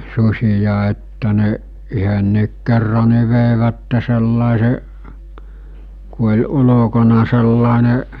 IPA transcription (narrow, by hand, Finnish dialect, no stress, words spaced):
susʲijɑ etːæ ne yhønːiːk kerːɑ ni̞ ʋeˑiʋætːe selːɑˑese ku olʲ ulokonɑ selːɑˑeneʔ